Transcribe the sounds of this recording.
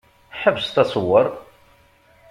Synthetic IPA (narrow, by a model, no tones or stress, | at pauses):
ħəvəst̪æsˤəwːəɾˤ